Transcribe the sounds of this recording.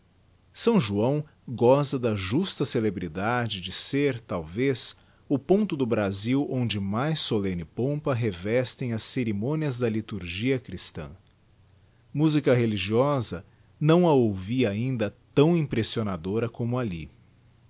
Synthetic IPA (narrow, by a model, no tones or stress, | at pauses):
sɐ̃w̃ʒuɐ̃w̃ | ɡɔst̪ɐd̪ɐʒust̪ɐselebɾid̪ad͡ʒɪd͡ʒɪseɾt̪awves | ʊpõnt̪ʊd̪ʊbɾaziwõnd͡ʒɪmajsolẽnɪpõpɐɦevɛst̪ẽj̃ɐsːeɾimõniɐzd̪ɐlit̪uɾʒiɐkɾist̪ɐ̰̃ | muzikɐɦeliʒiɔzɐ | nɐ̃w̃ɐowviaĩnd̪ɐt̪ɐ̃w̃ĩpɾesionad̪oɾɐkõmʊalḭ